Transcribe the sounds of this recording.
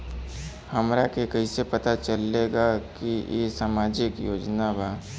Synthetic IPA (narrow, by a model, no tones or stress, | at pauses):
hɐmɾakekɐisepɐt̪at͡ʃəleːɡakijḛsaːmaːd͡ʒɪkjoːd͡ʒnabʱaː